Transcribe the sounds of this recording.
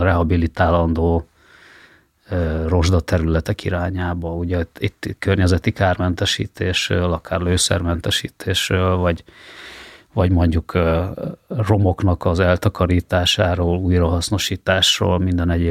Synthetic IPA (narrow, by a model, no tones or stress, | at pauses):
rɛɦɒbilit̪aːlɒnd̪oː | ro̞ʒd̪ɒt̪ɛɾylɛt̪ɛkiɾaːɲaːbɒuɟɛt̪ːit̪ːkørɲɛzɛt̪ikaːrmɛnt̪ɛʃḭːt̪ʰeːʃrøːlɒkʰaːrløːsɛ̰rmɛnt̪ɛʃḭːt̪ʰeːʃrøːlvɒɟ | vɒɟmo̞ɲɟukː | ro̞mo̞knɒkɒzɛlt̪ɒkɒɾiːt̪aːʃaːɾoːluːjrɒɦɒsno̞ʃiːt̪aːʃro̰ːlmind̪ɛnɛɟeː